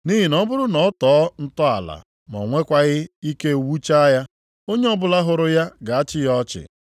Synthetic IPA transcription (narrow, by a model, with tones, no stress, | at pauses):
ni˦ɦi˨nɔ˦bʊ˦ɾʊ˦nɔ˨ɔ˦tɔ˨˦n̩˦tɔ˦a̰˨la̰˨ | m˨ɔ̰˨ŋʷe˦kʷa˦ɣɪ˦i˦ke˦˨wu˦t͡ʃa˦ja˦ | o˦ɲe˦ɔ˦bʊ˦la˦ɦʊ˨ɾʊ˦ja˦ɡa˨a˦t͡ʃɪ˦jɔ˦t͡ʃɪ̰˨